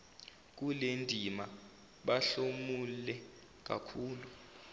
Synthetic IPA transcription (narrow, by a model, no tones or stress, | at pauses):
k̬ulendʱima | ɓaɬomulɛ | k̬a̰kʰuːlu